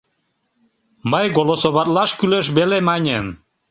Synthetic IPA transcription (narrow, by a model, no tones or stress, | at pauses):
məjɡolosoβɑt̪lɑʃkyleʃ̬βelemɑnʲən